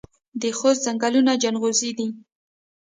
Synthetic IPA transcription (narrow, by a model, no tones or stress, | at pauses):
d̪əxoszaŋɡalunad͡ʒanɣozid̪i